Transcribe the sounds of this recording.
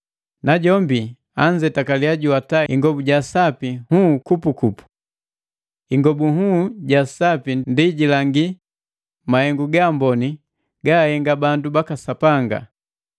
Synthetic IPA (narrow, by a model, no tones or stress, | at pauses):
naɟɔmbi | aɲd͡ʒɛtakaliaɟuwataiŋɡɔbuɟasapihukupukupu̥ | iŋɡɔbuɦuɟasapindiɟilaŋɡi | mahɛŋɡuɡambɔni | ɡahɛŋɡabandubakasapaŋɡa̰